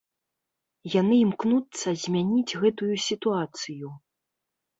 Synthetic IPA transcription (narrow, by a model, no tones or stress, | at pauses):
janɨimknut̪sːɐzʲmʲanʲid͡zʲɣɛt̪ujusʲit̪uat̪sɨju